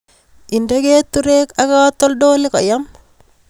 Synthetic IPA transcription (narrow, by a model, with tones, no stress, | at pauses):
ɪ˨nde˦ɡeː˦t̪ːu˦ɾeː˦ka˦ka˦t̪ːɔ˦ldoː˦lɪ˦kɔ˨ja˦m